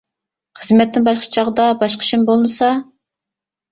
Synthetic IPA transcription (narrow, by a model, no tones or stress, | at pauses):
χəzmɛt̪nɪŋbɑʃqʰə̥t͡ʃʰɑʁəd̪ɑbɑʃqʰə̥ʃɪmbolˠmɨsɑ